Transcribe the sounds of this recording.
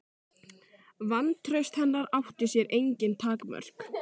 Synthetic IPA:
vant̪ʰɾœɥst̪hɛnːaɾawht̪ɪsjɛɾʔejɲcɪnt̪ʰaːkmœ̰r̥k

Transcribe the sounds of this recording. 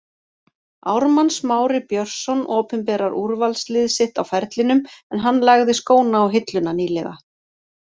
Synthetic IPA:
awɾmansmaːwɾɪpjœr̥sɔnɔːpʏmpɛːɾaɾuɾvalslɪðsɪht̪awfɛɾt̪lɪnʏmɛnɦanːlaɣðɪskoːwnaːwɦɪt̪lʏnaniːlɛɣa̰

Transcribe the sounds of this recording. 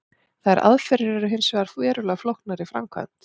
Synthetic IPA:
θaðɛɾʔa̰ðfɛɾɪɾɛɾʏɦɪnsvɛaɾfɛːɾʏlɛɣflɔhknaɾifɾa̰mkʰva̰nt̪

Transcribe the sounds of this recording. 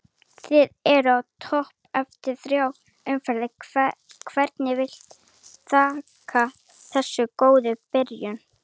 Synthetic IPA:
θɪðɛɾʏawt̪ʰɔhp̚ɛft̪ɪɾ̥θɾjaːw | ʏmfɛɾðɪ | kʰvɛɾt̪nɪvɪl̥t̪ | θʰaːkʰa | θɛsːʏkoːwðʏpɪɾjʏn

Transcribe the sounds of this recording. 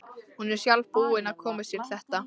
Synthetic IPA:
hunɛɾ̥sjalvpuːɪnaðkʰɔːmɪst̪ʰɪlθɛht̪a

